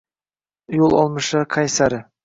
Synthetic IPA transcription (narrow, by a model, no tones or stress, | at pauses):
jolˠɒ̰lˠməʃɑqʰajsaɾɪ